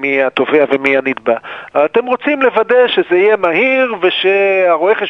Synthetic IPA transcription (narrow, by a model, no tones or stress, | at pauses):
miat̪o̞veavemianid̪baat̪e̞mʁo̞t͡simle̞vad̪e̞ʃezeijemaɦiʁve̞ʃeaʁoeχe